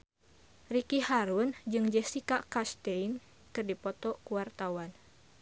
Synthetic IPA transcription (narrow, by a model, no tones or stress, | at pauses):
rikihaɾund͡ʒɨŋd͡ʒɛsikakast̪ɛin | kɨrdipɔt̪ɔkuwart̪awan